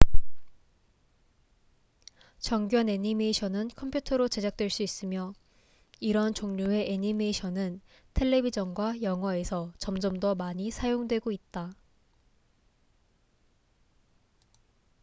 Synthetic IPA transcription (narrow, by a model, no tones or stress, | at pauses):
t͡ɕʌŋɡjʌne̞ɲimeɕʰʌnɯnkʰʌmpʰjutʰʌɾot͡ɕe̞d͡ʑak̚t͈we̞ɭs͈uis͈ɯmjʌ | iɾʌnt͡ɕoŋɲue̞ʔeɲime̞ɕʰʌnɯn | tʰe̞ɭːe̞bid͡ʑʌnɡwajʌŋɦwʌe̞sʰʌt͡ɕʌmd͡ʑʌmdʌmaɲisʰajoŋdwe̞ɡoit̚t͈a